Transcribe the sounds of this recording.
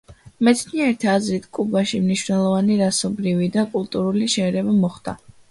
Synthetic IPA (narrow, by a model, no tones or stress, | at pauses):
mɛt̪sʰniɛɾit̪ʰazɾit̪ʰkʼubaʃimniʃwnɛlˠɔvaniɾasɔbɾivid̪akʼulˠt̪ʼuɾuliʃɛːɾɛbamɔχd̪̥a̰